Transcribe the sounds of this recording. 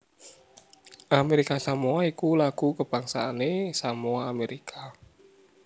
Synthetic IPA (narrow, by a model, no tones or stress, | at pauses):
ʔameɾikasamuaikulaɡ̥ukəb̥aŋsaːnesamuaːmeɾikʰa